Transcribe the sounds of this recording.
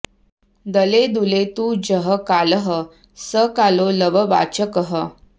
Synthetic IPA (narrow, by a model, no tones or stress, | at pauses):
d̪əled̪ulet̪ud͡ʑəɦəkaləɦə | səkaloləʋəʋa̰t͡ɕəkəɦə